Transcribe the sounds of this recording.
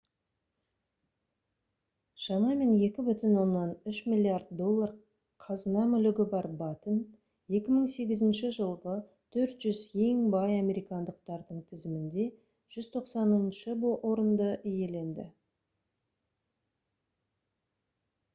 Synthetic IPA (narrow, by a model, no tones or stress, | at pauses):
ʃɑmɑme̞nje̞kʲɪbʏt̪ɪnwo̞nːɑnʏʃmʲilʲˠːiaɾd̪̚d̪o̞lˠːɑr | qʰɑzənɑmʏlɪɡʲɪbɑɾbɑt̪ən | je̞kʲɪməɴse̞ɡʲɪzɪnʃɪʒəlˠʁə | t̪ʰɵɾt̪ʒ̥ʏze̞ŋbɑjɑme̞ɾijkɑnd̪əq̚t̪ɑɾd̪əɴt̪ʰɪzɪmɪnd̪e̞ | ʒ̥ʏzt̪ʰo̞qsɑnənʃəboʔo̞ɾənd̪əʔije̞le̞nd̪ɪ̰